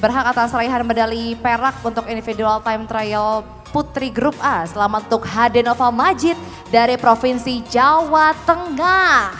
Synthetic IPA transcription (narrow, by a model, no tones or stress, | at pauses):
bərɦakat̪asɾaiɦanmədalipeɾak̚unt̪ʊkindifidualt̪ajmt̪ɾajəl | put̪ɾiɡɾup̚asəlamat̪unt̪ʊk̚ɦadɛnofamad͡ʒɪt̪̚ | daɾipɾofinsid͡ʒawat̪əŋah